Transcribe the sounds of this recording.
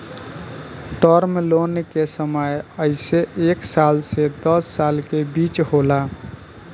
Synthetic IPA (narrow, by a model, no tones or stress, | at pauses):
ʈɔɾmelonkesəməjəɪseeksalsed̪əsːalkebit͡ʃɦola